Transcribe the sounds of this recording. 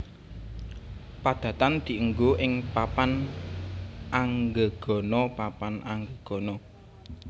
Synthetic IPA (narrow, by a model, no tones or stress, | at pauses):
pad̪̥ä̤t̪and̪̥i̤ʔəŋɡoʔɪŋpapan | ʔaŋɡəɡ̥ɔ̤nɔpapanʔaŋɡəɡ̥ɔ̤nɔ